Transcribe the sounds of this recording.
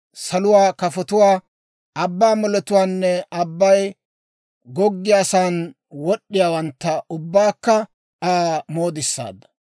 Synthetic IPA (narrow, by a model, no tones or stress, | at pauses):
sɐlʊwaːkɐfɔt̪ʊwaː | ɐbːaːmɔlɛt̪ʊwaːnːɛɐbːɐj | ɡɔɡːɪjasaːn | wɔɗːɪjaːwɐnt̪ːɐʊbːaːkːɐ | aːmoːd̪ɪsːa̰ːd̪ːɐ̥